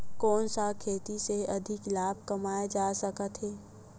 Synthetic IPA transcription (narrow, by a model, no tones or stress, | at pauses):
kɔːnsakʰeːt̪iseɐd̪ʱɪklaːb̚ʱkɐmaːed͡ʒaːsəkət̪ɦɛː